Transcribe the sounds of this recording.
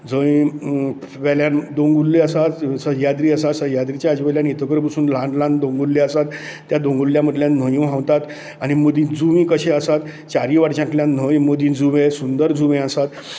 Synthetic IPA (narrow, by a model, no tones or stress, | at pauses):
d͡zəĩ | ʋɛljand̪oŋɡulːeəsat̪səjad̪ɾiːəsasəjad̪ɾit͡ɕjaəd͡ʑʋɛljanit̪ʰəkəɾp̬əsuːnlãɳɖlãnd̪õŋɡulːeəsat̪ː | jad̪õŋɡulːjãməd̪ljan̤əjũɦãʋt̪at̪ | añiməd̪iːd͡zuʋĩːkəɕẽəsat̪ | t͡ɕaɾiʋaɽt͡ɕãkljãn̤əjməd̪ĩd͡zuʋẽsund̪əɾd͡zuʋẽəsat̪